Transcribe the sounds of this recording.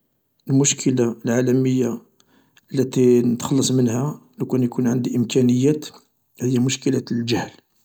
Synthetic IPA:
ʔəlmʊʃkʰəlalʕalæməjːa | əlːæt̪inət̪xɑlːɑsˤmənhælukænjkunʕənd̪iʔəmkænəjːæt̪ | həjːæmʊʃkəlælʒæhl

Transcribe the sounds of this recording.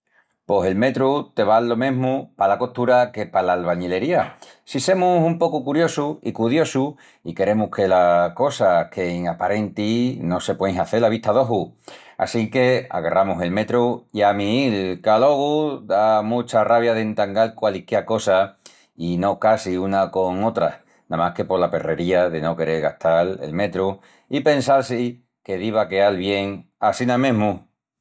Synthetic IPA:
po̞se̞lme̞t̪ɾut̪e̞βalːo̞mẽ̞ɦmupalako̞ht̪uɾake̞palaːlβaɲele̞ɾia | sise̞musumpo̞kukuɾjo̞suḭkuðjo̞su | ike̞ɾe̞muhke̞lako̞sakʰe̞iŋapaɾe̞nt̪ino̞se̞pwe̞ŋsaθe̞laβ̞iht̪aðo̞ɦua̰sike̞a̰ɣarʔamuse̞lme̞t̪ɾuiamilkalo̞ɣ̞ud̪amũt͡ʃaraβjaðe̞nt̪aŋɡalkwalikako̞sa | ino̞kasiunako̞ŋo̞t̪ɾa | nãmahke̞po̞ɾlape̞re̞ɾiaðe̞no̞ke̞ɾe̞ɾɣaht̪ale̞̰lme̞t̪ɾu | ipe̞nsalsi | ke̞ðiβ̞akealβje̞ŋasinãmẽɦmu

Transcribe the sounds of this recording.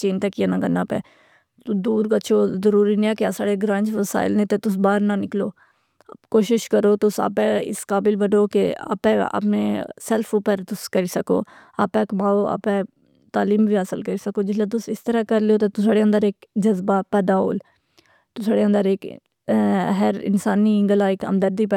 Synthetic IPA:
t͡ʃeːnt̪ɛkijaːnãkənːaːpɛ̰̃ː | ʊd̪uːɾkətːʃʰoːzəɾuːɾiːnĩɛ̃ːkeaːsaːɽeɡɾãːnd͡ʒʋəsa̰ːɪlnẽt̪et̪ʊs̬baːɾnanɪkloː | koːʃɪʃkəɾoːt̪ʊsa̰ːpɛ̃ɪ̰skaːbɪlbəɖoːkea̰ːpɛ̃a̰ːpnẽsɛlfʰopəɾt̪ʊskəɾiːsəko̰ː | a̰ːpɛ̃ːkmaːoːa̰ːpɛ̃ː | t̪aːliːmbʱiːaːsəlkəɾiːsəkoːd͡ʒɪslãt̪̬ʊsɪst̪əɾakəɾleoːt̪eːt̪ʊsaːɽeːə̃nd̪əɾeːkd͡ʒəzbaːpɛːd̪aːɦo̰ːl | t̪ʊsaːɽeːə̃nd̪əɾeːk | ɦəɾɪ̰nsaːniːɪ̃ŋɡəlaːɪkə̰md̪əɾd̪iːpː

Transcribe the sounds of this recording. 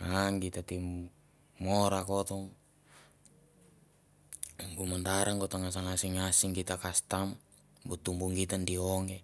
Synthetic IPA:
aŋkit̪at̪im | mɔɾakɔt̪ɔŋ | kumant̪aɾaŋkɔt̪ɔŋas̬aŋasiŋasiŋkit̪akast̪am | but̪ːumbuŋkit̪andiɔŋe

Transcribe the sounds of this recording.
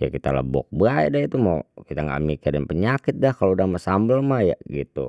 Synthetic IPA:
ja̰kit̪a̰lə̰bɔ̰k̚baɛ̰dait̪umawkit̪aŋɡa̰ʔmikɪrdənpəɲakɪt̪̚dahkaloudamasambəlmahja̰ɡit̪ṵ

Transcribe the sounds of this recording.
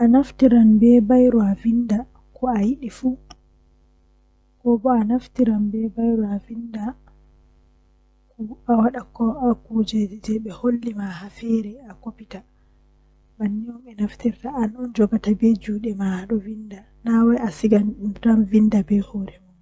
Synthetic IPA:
ʔanaftiɾanbɛbajɾuavinda | kɔajiɗifuː | kɔbɔanaftiɾanbɛbajɾuavinda | kuawaɗakɔakud͡ʒɛd͡ʒid͡ʒɛɓɛholːimahafɛɾɛakopita | banːiɔmɛnaftiɾtaʔːnɔnd͡ʒɔɡatabɛd͡ʒuːɗɛmahaɗɔvinda | nawajasiɡanɗumtamvindabɛhoːɾɛmun

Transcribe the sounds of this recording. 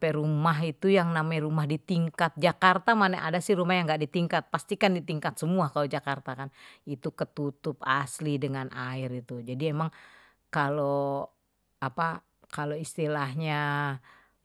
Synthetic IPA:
pɛɾumaɦit̪ujaŋnamajɾumahdit̪iŋkat̪̚d͡ʒakart̪amanɛʔa̰dasɪhrumahjaŋɡaʔdit̪iŋkat̪̚past̪ikandit̪iŋkat̪səmuakalod͡ʒakart̪akanit̪ukət̪ut̪ʊpaslidəŋanʔaɪrit̪ud͡ʒadiemaŋ | kalo | apa | kaloist̪ilahɲa

